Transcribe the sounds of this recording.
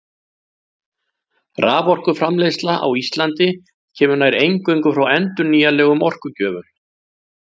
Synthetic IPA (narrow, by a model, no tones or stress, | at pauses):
raːvɔr̥kʏfɾamlejslaʔa̰wist̪lant̪ɪ | cʰɛːmʏnajɾejŋkœjŋkʏfɾawɛnt̪ʏniːjalɛːɣʏmɔr̥kʏcœːvʏm